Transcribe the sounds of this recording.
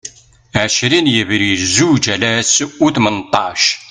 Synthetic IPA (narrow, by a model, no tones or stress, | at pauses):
ʕæʃɾinjəvɾiəzud͡ʒælæsuθmənt̪ˤːɑʃ